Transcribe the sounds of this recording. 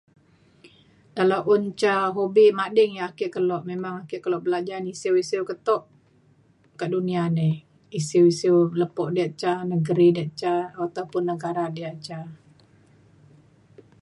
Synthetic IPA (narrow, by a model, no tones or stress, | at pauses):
dalaʔʊnt͡ʃaɦobimadɪŋjaakɪʔkəlɔʔmemaŋakɪʔkəlɔʔbəlad͡ʒanisiwisiwkət̪ɔʔ | kaʔdunianɛ | isiwisiwləpɔʔdiaʔt͡ʃanəɡəɾidiaʔt͡ʃaat̪awpʊnːəɡaɾadiaʔt͡ʃa